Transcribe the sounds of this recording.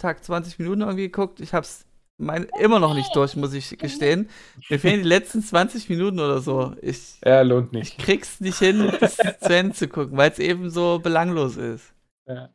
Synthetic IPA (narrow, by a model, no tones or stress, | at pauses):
tʰaːkt͡sv̥ant͡sɪçminuːtn̩ɪɐɡŋ̩tv̥iːɡəkʰʊk̚tɪçhaːbəs | maɪnʔɪmɐnɔχnɪçt̚d̥ʊɐçmʊs̬ɪçɡ̥əʃteːənmiːɐfeːləndiːlɛt͡stn̩t͡sv̥ant͡sɪçminuːtn̩ʔoːdɐzoːʔɪ̰çjaloːntnɪɪçkʁ̥iːɡsnɪçthɪnst͡suɛndt͡sukʰʊkŋ̩vaɪlsʔeːbm̩zoːbəlaŋloːsɪ̰st | a